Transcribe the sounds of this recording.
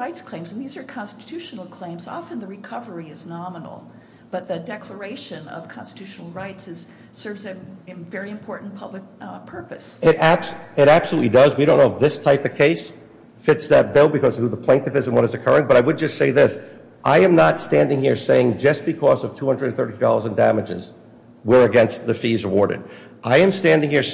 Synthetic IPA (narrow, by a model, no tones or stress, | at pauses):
ɹaɪtskʰl̥ẽɪ̃mz̃n̩ðizə˞kʰɑ̃nstɨ̥tʰʉʃn̩l̩ˠkʰl̥ẽɪ̃mzɑ̰fɨ̃nðɨɹɨkʰʌvə˞iɨznɑmənl̩ˠ | b̥ʌt̪̚ðɨdɛkʰlə˞eɪʃɨ̃nʌ̰v̥kʰɑ̃nstɨ̥tʰʉʃnl̩ˠɹaɪtsɨz̥ | sɜ˞vzɨɨ̃vɛɹiɨ̃mpʰɔɹʔn̩pʰʌblɨk̚pʰɜ˞pɨsɪɾæb̥sɨɾæb̥səlutˡlidʌzwiɾõʊ̃nːoʊfðɪstʰaɪpʌ̥kʰeɪs | fɪtsðɨt̚b̥ɪlˠbɨkʌzʌv̥huðəpʰl̥ẽɪ̃ntɨvɨzɨ̃n̩wʌɾɨzɨkʰɜ̰˞ɪ̃ŋbʌɾaɪwɨd̚d͡ʒʌstseɪðɪs | ʔaɪɨ̃mnətstæ̃ndɪ̃ŋhiɹseɪɪ̃ŋd͡ʒʌsb̥ɨkʰɔsʌv̥tʰuhʌ̃ndɹə˞dɨn̩θɜ˞ɾidɑlˠə˞zə̃ndæmɨd͡ʒɪ̰z | wɪɹɨɡɛ̃nst̪̚ðɨfizəwɔɹɾɨ̰d | ʔaɪɨ̃mstæ̃ndɪ̃ŋhiɹ